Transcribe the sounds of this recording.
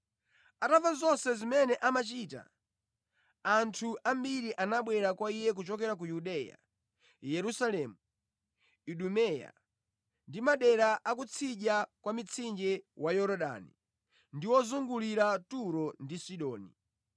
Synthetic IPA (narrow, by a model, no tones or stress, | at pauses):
atavazɔnsɛzimɛnɛʔamat͡ʃiːta̰ | antʰuʔambiɾiʔanaɓwɛɾakwaijɛk̬ut͡ʃɔkɛɾak̬ujuɗɛja̰ | jɛɾusalɛmu | iɗumɛja̰ | ndimaɗɛɾaʔakut͡sʰiʄakwamit͡sʰind͡ʒɛwajɔɾɔɗa̰nḭ | ndiwɔzuŋɡuliɾatuɾɔndisiɗɔːni